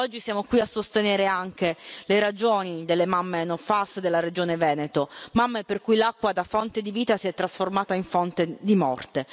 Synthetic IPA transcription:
ɔd͡ʒːisjaːmokwiasːost̪eneːɾeaŋk̟eleɾad͡ʒoːnid̪elːemamːenofasd̪elːaɾed͡ʒoːnevɛːnet̪omamːeperkujlakːwad̪afɔnt̪ed̪iviːt̪asiɛt̪ːɾasformaːt̪aiɱfɔnt̪ed̪imɔ̰rt̪e

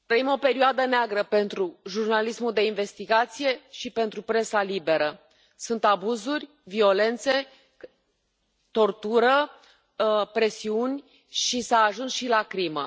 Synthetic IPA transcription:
t̪ɾəimo̞pe̞ɾioad̪əneaɡɾəpe̞nt̪ɾuʒurnalismuld̪e̞inve̞st̪iɡat̪sije̞ʃipe̞nt̪ɾupɾe̞salibe̞ɾə | sunt̪abuzurʲ | vio̞le̞nt̪se̞ | t̪o̞rt̪uɾə | pɾe̞siunʲ | ʃisaːʒunsʃilakɾimə̰

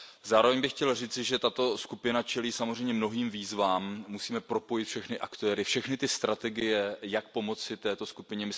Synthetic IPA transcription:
zaːɾo̞vɛɲbɪxcɛlriːt͡sɪʒɛt̪at̪o̞skupɪnat͡ʃɛliːsamor̝ɛjmɲɛmno̞ɦiːmviːzvaːmːusiːmɛpɾo̞po̞jɪt̪fʃɛxnɪʔakt̪ɛːɾɪfʃɛxnɪt̪ɪst̪ɾat̪ɛɡɪjɛjak̚po̞mo̞t͡sɪt̪ɛːt̪o̞skupɪɲɛmɪ

